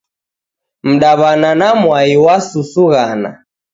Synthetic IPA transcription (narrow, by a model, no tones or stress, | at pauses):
m̩ɗaβananamwaiwasusuɣana̰